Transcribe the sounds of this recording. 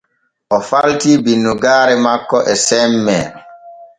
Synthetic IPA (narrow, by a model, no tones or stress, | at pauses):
ʔɔfaltibinːuɡaːɾɛmakːɔʔɛsɛmːɛ